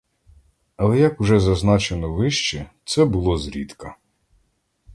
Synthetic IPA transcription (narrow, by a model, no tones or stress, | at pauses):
ɐlˠɛjɐkʊʒɛzɐznɑt͡ʃenɔʋɪʃt͡ʃɛt̪sɛbʊlˠɔzɾʲit̪kɐ